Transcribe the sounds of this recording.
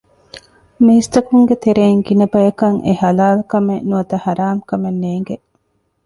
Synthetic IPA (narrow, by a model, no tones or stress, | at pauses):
miist̪ɐkuŋɡet̪eɾeːŋɡinɐbɐjɐkɐŋehɐlaːlkɐmenuɐt̪ɐhɐɾaːmkɐmenːeːŋɡe